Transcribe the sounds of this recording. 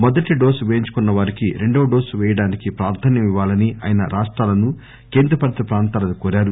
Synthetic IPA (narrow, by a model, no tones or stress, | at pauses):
mɔd̪ɐʈiɖo̞ːsʋeːɲt͡ʃu̥kunːɐʋaːɾikiɾeɳɖoːɖo̞ːsʋɛːjɐɽaːnikipɾaːɾt̪ʰaːnjɐmiʋːaːlɐniʔa̰ːjɐnɐ̰ɾaːʂʈɾaːlɐnu | ke̞ːnd̪ɾɐpɐɾt̪ɐpɾaːnt̪aːlɐnukoːɾaːɾu